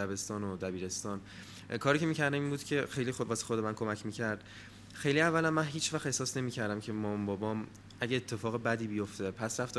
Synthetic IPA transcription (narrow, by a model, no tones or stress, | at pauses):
æbe̞st̪ɒːnod̪æbiːɾe̞st̪ɒːn | kʰɒːɾicʰemiːcʰæɾd̪æminbuːd̪̥cʰe̞xejlixovɒːse̥xod̪emænkʰo̞mæcʰmiːcʰæɾd̪̥ | xejliævːælæmːænɦiːt͡ʃʰvæxt̪e̞hsɒːsne̞miːcʰæɾd̪æmcʰe̞mɒːmbɒːbɒːm | æɟeːt̪ʰːe̞fɒːɣebæd̪iːbijo̞ft̪e̞pʰæsɾæft̪ː